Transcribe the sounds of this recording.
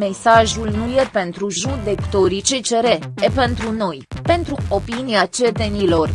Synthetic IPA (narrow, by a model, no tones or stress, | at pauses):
me̞saʒulnujepe̞nt̪ɾuʒud̪e̞kt̪o̞ɾit͡ʃet͡ʃe̞ɾeepe̞nt̪ɾuno̞jpe̞nt̪ɾuo̞piniat͡ʃet̪e̞nilo̞r